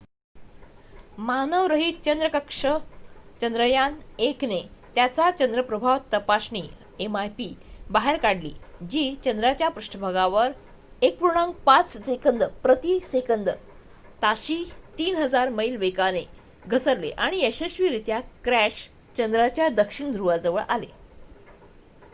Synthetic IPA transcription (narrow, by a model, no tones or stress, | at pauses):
manəʋɾəɦit̪t͡ɕənd̪ɾəkəkʂət͡ɕənd̪ɾəjaneknet̪jat͡sat͡ɕənd̪ɾəpɾəbʱaʋt̪əpasɳiː | emajpiːbaɦeɾkaɽlḭːd͡ʑiːt͡ɕənd̪ɾat͡ɕjapɾuʂʈəbʱaɡaʋəɾ | ek̚pɾuɽ̃aŋɡpat͡ssekənd̪əpɾət̪isekənd̪ə | t̪aɕiːt̪iːnɦəd͡zaɾməilʋekane | ɡʱəsəɾlḛʔaɽ̃ieɕeɕʋiːɾit̪jakɾæɕ | t͡ɕənd̪ɾat͡ɕjad̪əkʂiɳd̪ʱɾuʋad͡zəʋə̰ɭʔa̰le